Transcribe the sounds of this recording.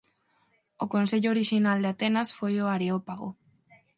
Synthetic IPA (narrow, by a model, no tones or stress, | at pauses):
oko̞nse̞ʎooɾiʃinald̪eat̪e̞nasfojoaɾeopaɣo